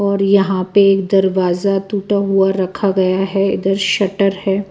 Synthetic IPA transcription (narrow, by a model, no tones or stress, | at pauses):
ɔːɾjɐɦãpeeːk̚d̪ɐɾʋaːzat̪uːʈaɦuaɾɐkʰaɡɐjaɦɛɪ̰d̪əɾʃɐʈəɾhɛː